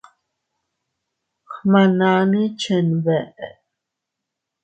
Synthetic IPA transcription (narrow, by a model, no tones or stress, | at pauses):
χmanaːnit͡ʃʰɛnβɛʔɛ